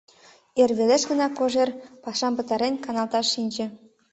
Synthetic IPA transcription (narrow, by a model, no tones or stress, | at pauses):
erβeleʃɣə̆nɑkoʒerpɑʃɑmpɤ̆t̪ɑɾenkɑnɑlˠt̪ɑʃːinʲd͡ʑĕ